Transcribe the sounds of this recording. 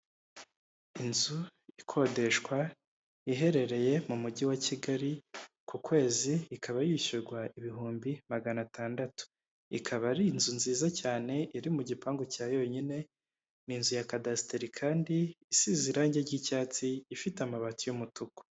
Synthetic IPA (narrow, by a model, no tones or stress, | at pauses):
inzuikʰo̞de̞ʃkwa | iɦe̞ɾe̞ɾe̞je̞mumuɟiwaciɡaɾi | kukwe̞ːziːkʰaβajiʃuɾɡwaiβiɦuːmbimaɡanataːndatu̥ | ikʰaβaɾinzunziːzacaːne̞ʔiɾimuɟipaːŋɡocaːjo̞ɲine̞ | ninzujakadasiteɾikʰaːndiisiziɾaɲɟeɾɟicaːt͡siːfitamaβatujumutuko̥